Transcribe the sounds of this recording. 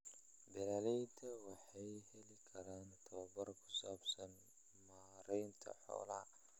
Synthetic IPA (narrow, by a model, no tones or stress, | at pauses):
bɪlaːlɛjt̪ʰɐwɑħɑjhɛlɪkʰɐɾaːnt̪ʰɐwɐbɐrkʰʊ̥saːbsɐn | maːɾɛjnt̪ʰɐ̰ħɔ̰ːlɐ